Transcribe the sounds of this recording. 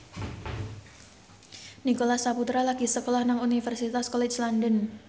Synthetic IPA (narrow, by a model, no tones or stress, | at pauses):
nikolasaput̪ɾalaɡ̥isəkolɔhnaŋunifərsit̪askɔlɛt͡ʃlandən